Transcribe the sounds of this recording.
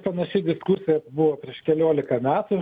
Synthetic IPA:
pɐnɐʃʲɛɪd̪ʲɪskʊsʲɪjɛbʊʋoːpʲɾʲiɛʃkʲɛlʲoːlʲɪkɐmʲæːt̪ʊ

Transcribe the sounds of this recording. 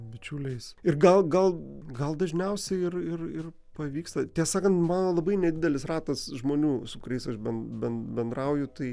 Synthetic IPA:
bʲɪt͡ʃʲuːlʲɛɪsɪrɡɐlˠɡɐlˠɡɐlˠd̪ɐʒʲnʲɛʊsʲɛɪɪrɪrɪr | pɐʋʲiːkst̪ɐt̪ʲɛːsɑːkɐnt̪mɑːnoːlˠɐbɐɪnʲɛd̪ʲɪd̪ʲɛlʲɪsrɑːt̪ɐsʒmoːnʲuːsʊkʊɾʲɛɪsɐʃbʲɛnbʲɛnbʲɛnd̪ɾɐʊjʊt̪ɐɪ

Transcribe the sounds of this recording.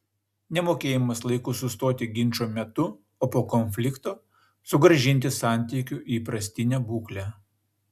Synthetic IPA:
nʲɛmoːkʲeːjɪmɐslˠɐɪkʊsʊst̪oːt̪ʲɪɡʲɪnʲˑt͡ʃoːmʲɛt̪ʊ | oːpoːkɔnʲfʲlʲɪkt̪oː | sʊɡɾɐʒʲɪnʲt̪ʲɪsɑˑnʲt̪ʲiːkʲʊʔiːpɾɐsʲt̪ʲɪnʲɛbuːklʲæ

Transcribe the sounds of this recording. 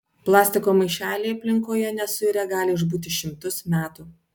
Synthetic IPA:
plˠɑːsʲt̪ʲɪkoːmɐɪʃʲæːlʲeːɐpʲlʲɪŋkoːjɛnʲɛsʊɪɾʲɛɡɑːlʲɪʊʒbuːt̪ʲɪʃʲɪmt̪ʊsmʲæːt̪uː

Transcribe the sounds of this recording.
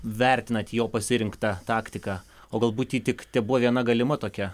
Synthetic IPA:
ʋʲɛɾʲt̪ʲɪnɐt̪ʲjoːpɐsʲɪɾʲɪŋkt̪ɑt̪ɑːkt̪ʲɪkɑː | oːɡɐlˠbuːt̪ʲjʲiːt̪ʲɪkt̪ʲɛbʊʋɐʋʲiɛnɐɡɐlʲɪmɐt̪oːkʲɛ

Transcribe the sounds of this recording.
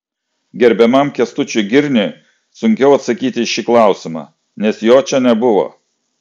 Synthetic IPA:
ɡʲɛɾʲbʲɛmɐmkʲɛst̪ʊt͡ʃʲʊɡʲɪɾʲnʲɪ | sʊŋʲkʲɛʊɐt̪sɐkʲiːt̪ʲɪʃʲiklˠɑˑʊsʲɪmɑ̰ː | nʲɛsjoːt͡ʃʲɛnʲɛbʊʋo̰ː

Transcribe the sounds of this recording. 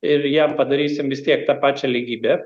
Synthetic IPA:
ɪɾjæmpɐd̪ɐɾʲiːsʲɪmʋʲɪst̪ʲiɛk̚t̪ɑpɑːt͡ʃʲɛlʲiːɡʲiːbʲe

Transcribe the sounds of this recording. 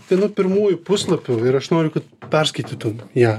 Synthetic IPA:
t̪ʲɐnʊpʲɪɾmuːjʊpʊslˠɐpʲʊɪɾɐʃnoːɾʲʊkɐt̪̚pʲɛɾskɐɪt̪ʲit̪ʊmjæː

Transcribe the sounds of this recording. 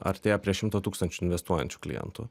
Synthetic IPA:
ɐ̰ɾʲt̪ʲeːjɛpʲɾʲiɛʃʲɪmt̪ot̪uːkst̪ɐnʲt͡ʃʲʊɪnʲʋʲɛst̪uɔjɛ̰nʲt͡ʃʲʊ̥klʲɪ̰jɛ̰nt̪ʊ̰

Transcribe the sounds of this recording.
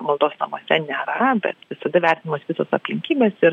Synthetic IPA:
mɐlˠd̪oːsnɐ̰moːsʲɛnʲæɾɐɐbʲɛ̰t̪ʋʲɪsɐd̪ɐʋʲæːˑt̪ʲɪnɐmɐsʋʲɪsosɐpʲlʲɪŋʲkʲiːbʲeːsɪr

